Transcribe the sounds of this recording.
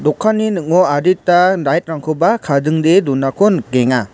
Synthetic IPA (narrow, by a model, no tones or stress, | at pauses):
dɔkʰːanːinɯʔ̚ŋɔaditːadajt̚ɾaŋkʰɯbakʰadɯŋdedunakʰɔnɡeŋa